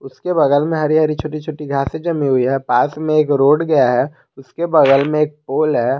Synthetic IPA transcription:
ʊskebɐɡəlmẽɦɐɾiɦɐɾit͡ʃʰoːʈit͡ʃʰoːʈiɡʱaːsẽd͡ʒɐmiɦʊiɦɛpaːsmẽeːkɾoːɽɡɐjaɦɛ | ʊskebɐɡəlmẽeːk̚poːlɦɛː

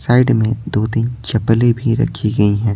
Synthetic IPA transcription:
saːɪɖmẽd̪oːt̪iːnt͡ʃɐplebʱiɾɐ̰kʰiɡɐiɦɛ̃ː

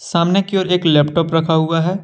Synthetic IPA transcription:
saːmnekioːɾeːklɛːpʈɔːpɾɐkʰaɦuaɦɛː

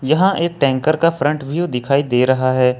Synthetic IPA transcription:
jɐɦãʔeːk̚ʈɛ̃ːŋkəɾkafɾə̃ɳʈʋʱjud̪ɪkʰaːid̪eːɾɐɦaɦɛː

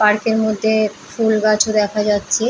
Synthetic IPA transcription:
paɾkeɾmod̪ʱːe | fulɡat͡ɕʰod̪ɛkʰad͡ʑatːɕʰe

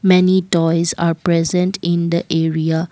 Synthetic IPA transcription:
mɛnitɔɪzapɹɛzə̃ntʰɪ̃nd̪əʔeɹia

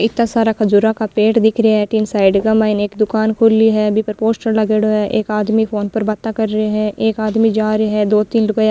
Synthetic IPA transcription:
ɪt̪nãsaːɾakʰəd͡ʒuɾakapeːʈd̪ɪkʰɾɪaɦɛ̃ʈɪnsaːɪɖɡəmaːɪneːkd̪ʊkaːnkʰʊliɦɛːbipəɾpoːsʈəɾləɡeɽoɦɛʔeːkaːd̪mipʰoːnpəɾbat̪akəɾːəeɦɛ̃ʔeːkaːd̪mid͡ʒaːɾeɦɛ̃d̪oːt̪ɪnlʊɡəja

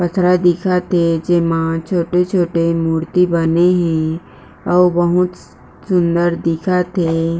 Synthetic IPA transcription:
pɐt̪ʰɾad̪ɪkʰat̪ʰed͡ʒɪmãt͡ʃʰoːʈet͡ʃʰoːʈemuːɾt̪ibɐneɦɛ̃ | ɔːbɐɦʊt̪ | sʊ̃nd̪əɾd̪ɪkʰat̪ʰeː

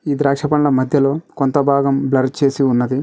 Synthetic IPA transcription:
iːd̪ɾaːkʂɐpɐɳlɐmɐd̪ʱjɐlo̞ːkont̪ɐbʱaːɡɐmblɐɾ̚t͡ʃe̞ːsiunːɐd̪i

